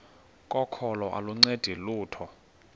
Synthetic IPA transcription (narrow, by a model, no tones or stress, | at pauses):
kʼɔkʰɔlɔʔa̰luŋ͡ǀed̥ʱiluːtʰɔ